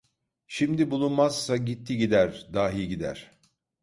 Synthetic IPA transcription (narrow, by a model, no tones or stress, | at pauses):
ʃimd̪ibulˠunmaz̥saɟit̪ʰːiɟid̪æɾd̪aːɦijɟid̪æ̰ɾ̥